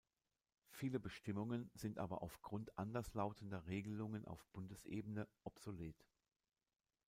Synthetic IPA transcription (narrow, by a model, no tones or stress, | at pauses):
fiːləbəʃtɪmʊŋənz̥ɪntʔa̰ːbɐ̰ʔaʊfɡ̥ʁʊntʔandɐslaʊtʰən̩dɐʁeːɡəlʊŋənʔa̰ʊfb̥ʊndəsʔḛːbənəʔɔpz̥oleːt